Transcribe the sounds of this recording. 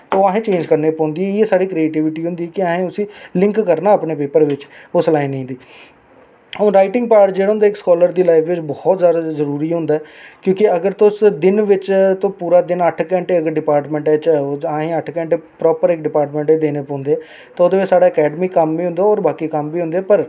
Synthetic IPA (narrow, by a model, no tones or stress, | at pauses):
t̪ːaːɦẽːt͡ʃẽːɲd͡ʒkəɾneːpɔ̃ːnd̪iːɛeːsaːɽiːkɾieːʈiːʋɪʈiːɦʊ̃nd̪iːɛːkɪaːɦẽːʊsĩːlɪ̃ŋkːəɾnaːəpneːpeːpəɾʋɪt͡ʃʊslaːĩnəĩːnd̪iː | ɾaːɪʈɪ̃ŋɡpaːʈd͡ʒeːɽaɦʊ̃nd̪aːɪkskɔːləɾd̪iːlaːɪpʰʋɪd͡ʒbɔːt̪zjaːd̪azəɾuːɾiːɦʊ̃nd̪aːɛkjõːkɪəɡəɾt̪ʊsd̪ɪnʋɪt͡ʃt̪õːpuːɾaːd̪ɪnəʈʰkɛ̃ːɳʈeːəɡəɾɖɪpaːɾʈmɛ̃ːɳʈɛːt͡ʃːãːɦẽːəʈʰkɛ̃ːɳʈepɾɔːpəɾɪk̚ɖɪpaːɾʈmɛ̃ɳʈeːd̪eːneːpɔ̃ːnd̪eːɛ | t̪ãːʊd̪eːʋɪt͡ʃsaːɽaːəkɛːɖəmiːkəmʋiːɦʊ̃nd̪aːɔːɾbaːkiːkəmbiːɦʊ̃nd̪eɛːpəɾ